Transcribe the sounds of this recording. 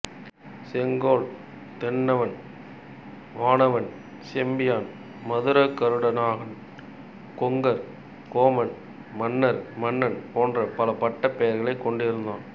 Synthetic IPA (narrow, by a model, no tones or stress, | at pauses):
sɛŋɡoːɭ | t̪ɛnːɐʋɐn | ʋaːnɐʋɐn | sɛmbɪjaːn | mɐðɯɾɐkːɐɾɯɽɐnaːɣɐm | kɔŋɡɐɾ | koːmɐn | mɐnːɐɾmɐnːɐnpoːndrɐpɐlɐpɐʈːɐpːɛjɐɾɣɐɭɐɪkːɔɳɖɪɾɯnd̪a̰ːn